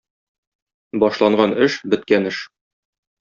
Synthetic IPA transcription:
bɒʃlˠɑɴɢɑnɘʃbɘ̆t̪̚kænɘʃ

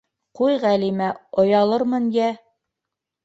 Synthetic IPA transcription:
qujʁælimæŏjɑlˠɤɾmɤnjæ

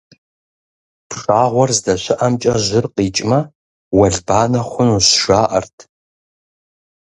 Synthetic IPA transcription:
pʰʂaːʁʷɔrzdɐɕɪʔɐmt͡ʃʼɐʒɪrqiːt͡ʃʼmɐ | wɐɮbaːnɐχʷʊnuɕʃaːʔɐ̰rtʰ

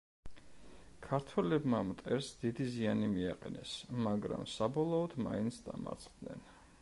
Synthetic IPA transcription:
kʰaɾt̪ʰwɛlɛbmamt̪ʼɛɾsd̪id̪izianimiaqʼɛ̰nɛsmaɡɾa̰msabɔlˠɔːd̪̥ma̰int̪sʰd̪ama̰ɾt̪sʰʼχd̪nɛ̰n

